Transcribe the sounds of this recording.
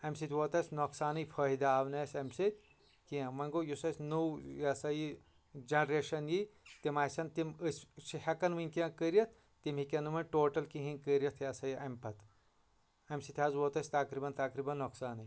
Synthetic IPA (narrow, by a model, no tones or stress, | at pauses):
ɐmsit̪ʰʲʋoːt̪ɐsʲnoksaːnɨjpʰɐːɦid̪aːʋnɐsʲɐmsit̪ʲ | kiɐ̃mɐŋɡoːjusɐsʲnuwjasɐji | d͡ʒɐnɾeːʃɐnjit̪imaːsɐnt̪imɨsʲsihɐkɐnʋinʲkiɐ̃kəɾijɐt̪̚ʰ | t̪imɦikʲɐnɨmɐnʈoːʈɐlkiɦĩnkəɾijɐt̪ʰjɐsɐjiʔɐmpɐt̪ | ɐmsit̪ʲʰaːzwoːt̪ɐsʲt̪ɐkɾibɐnt̪ɐkɾibɐnːoksaːnɨj